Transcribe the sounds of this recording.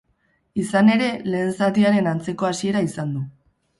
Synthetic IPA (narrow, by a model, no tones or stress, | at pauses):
isane̞ɾe̞le̞ːnsat̪iaɾe̞nant͡se̞ko̞asie̞ɾaisand̪u